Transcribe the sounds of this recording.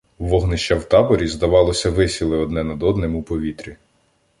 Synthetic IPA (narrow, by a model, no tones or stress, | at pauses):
ʋɔɦnɪʃt͡ʃawt̪ɑbɔɾʲizd̪ɐʋɑlˠɔsʲɐʋɪsʲilˠɪɔd̪nɛnɐd̪ɔd̪nemupɔʋʲit̪ɾʲi